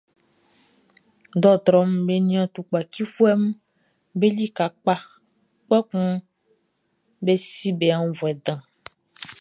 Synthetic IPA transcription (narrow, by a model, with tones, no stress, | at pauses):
d̪ɔ˦t̪ɾɔ˦mbe˦nĩ˦ã˦t̪u˨k͡pa˨ki˦fu˦ɛ˦m˦ | be˦li˦ka˨k͡pa˦ | k͡pɔ˦kũ˦ | be˦si˦be˨a˦ŋ˦vɔ˨ɛ˨d̪ã˨